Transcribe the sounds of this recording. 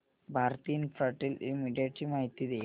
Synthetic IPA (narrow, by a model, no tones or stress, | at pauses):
bʱaːrt̪ijinfrɐʈːilimiɖijɐʈːimajt̪ːiðe